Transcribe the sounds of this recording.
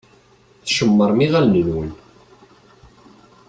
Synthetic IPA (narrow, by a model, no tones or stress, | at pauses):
θʃəmːəɾˤmiʁælnəlwən